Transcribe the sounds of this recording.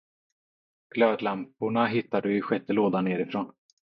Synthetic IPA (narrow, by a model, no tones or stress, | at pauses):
ɡ̥løːd̪lampʊɳaɦɪt̪ːad̪ɵʏɧɛt̪ːəloːd̪aneːɾɪfɾoːn